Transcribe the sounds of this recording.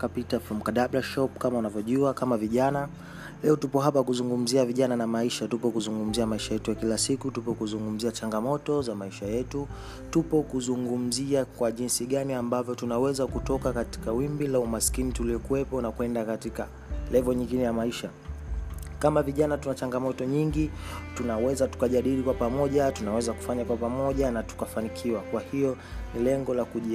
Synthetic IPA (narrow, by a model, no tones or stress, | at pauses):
kapitafɔm̩kaɗablaʃɔpkamaunavjɔʄuakamaviʄana | lɛɔtupɔɦapakuzuŋɡum̩ziaviʄananamaiʃatupɔkuzuŋɡum̩ziamaiʃajɛtujakilasikutupɔkuzuŋɡum̩ziat͡ʃaŋɡamɔtɔzamaiʃajɛtu | tupɔkuzuŋɡum̩ziakwaʄinsiɠaniambavjɔtunawɛzakutɔkakati̥kawimbilaumaskinituliɔkuwɛpɔnakwɛndakatika̰ | lɛvɔɲiŋɡinɛjamaiʃa | kamaviʄanatunat͡ʃaŋɡamɔtɔɲiŋɡitunawɛzatu̥kaʄaɗilikwapamɔʄatunawɛzaku̥faɲakwapamɔʄanatu̥kafanikʰiwakwahijɔnilɛŋɡɔlakuʄ